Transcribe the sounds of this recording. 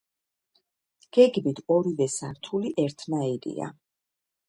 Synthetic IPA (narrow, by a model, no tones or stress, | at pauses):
ɡ̥ɛɡmit̪ʰɔɾivɛsaɾt̪ʰuliʔɛɾt̪ʰnaiɾḭa̰